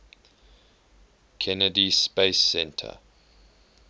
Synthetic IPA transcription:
kʰɛnədispesːɛ̃ntʰə̰

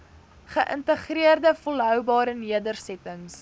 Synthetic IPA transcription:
χəʔə̰ntəχriərdəfɔlɦœwbɑːɾəniədərsɛtəŋs

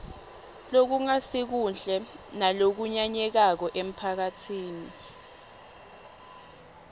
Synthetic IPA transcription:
lok̬uŋasik̬und͡ɮʱɛnalok̬uɲaɲɛk̬ak̬ɔʔem̩pʰak̬atʰiːni

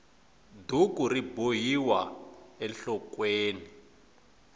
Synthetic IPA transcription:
dukuribojiwaɛɬɔkweːni

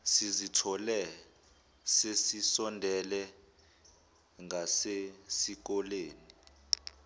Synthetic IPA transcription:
sizitʰɔlɛ | sesisɔndʱɛlɛ | ŋɡʱasesik̬ɔleːni

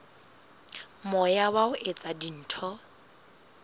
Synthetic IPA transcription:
mʊjawaʊʔet͡sʼadin̩ːtʰɔ

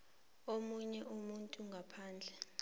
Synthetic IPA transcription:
omuɲɛʔumuntʼuŋɡʱapʰaːnd͡ɮʱɛ

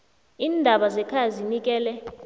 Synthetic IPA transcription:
iːndʱaɓazɛkʰazinik̬ʼɛːlɛ

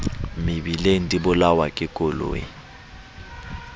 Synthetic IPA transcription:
mɪbilen̩tʼibʊlawakʼɪkʼʊlo̰ːɪ̰

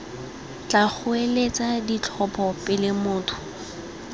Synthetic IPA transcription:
t͡ɬak͡xʰʊelet͡sʼadit͡ɬʰɔpʰʼɔpʼɪlɪmʊːtʰʊ̥

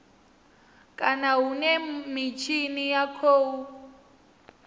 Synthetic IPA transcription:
kʼanaɦunɛmit͡ʃʰinijakʰoːu

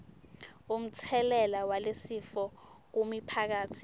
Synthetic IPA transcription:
um̩t͡sʰɛlɛlawalesifɔk̬umipʰak̬aːtʰi

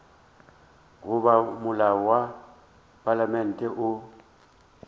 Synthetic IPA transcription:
ɣʊβamʊlaɔwa | pʼalamɛn̩tʼɛʔʊ

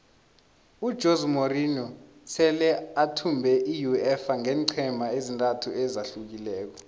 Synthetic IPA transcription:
ud̥ʒ̥ʱozmorinɔ | sʰɛlɛatʰumbʱɛʔijuɛfaŋɛːŋǀʰɛmʱaezintʼatʰuʔɛzaɬuk̬ilɛːk̬ɔ

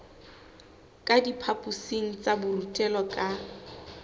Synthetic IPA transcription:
kʼadipʰapʼʊseŋ̩t͡sʼabʊrutʼɛlɔkʼa

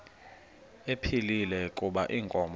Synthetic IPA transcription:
epʰililɛkʼuɓaʔiːŋkʼɔmb

